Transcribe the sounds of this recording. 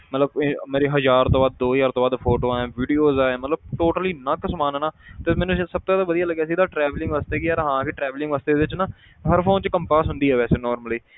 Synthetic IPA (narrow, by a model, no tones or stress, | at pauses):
mət̪ləbmeːɾeːɦəzaːɾt̪õːbaːd̪̚ːoːjaːɾt̪õːbaːd̪pʰoːʈoːaɛ̃ːʋiːɖijoːzaːɛ̃ːmət̪ləb̚ʈoːʈəliːnəksəmaːnɛːnaːt̪eːmɛ̃ːnũssəb̚t̪õːd̪aːʋəd̪ijaːləɡjɛːsid̪aːʈɾɛːʋlɪ̃ŋɡʋaːst̪eːkɪjaːɾɦãːkeʈɾɛːʋlɪ̃ŋɡʋaːst̪eːd̪eːʋɪt͡ʃnãː | ɦəɾpʰoːnt͡ʃkəmpaːsɦʊ̃nd̪iːɛːʋɛːseːnɔːɾməliː